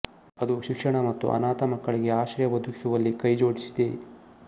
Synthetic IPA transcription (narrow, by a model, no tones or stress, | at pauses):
ɐd̪uʃikʂɐɳɐmɐt̪ːṵʔɐ̰naːt̪ɐmɐkːɐɭiɡe̞aːʃɐɾjɐʋɐd̪ʱuki̥suʋɐlːikɐjd͡ʒo̞ːɽisid̪e